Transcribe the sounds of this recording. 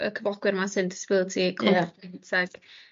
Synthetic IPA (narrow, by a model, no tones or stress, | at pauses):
ə̰kʰəbɔɡ̥wɨrmasɨndɪ̥sɪ̥b̥ɪlˠətʰikʰɔnpʰɛntʰaɡ̥